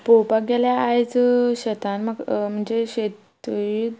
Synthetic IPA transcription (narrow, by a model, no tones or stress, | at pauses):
popaɡeljaːjt͡sɕət̪anmaɡm̤əɳd͡zeɕet̪ | i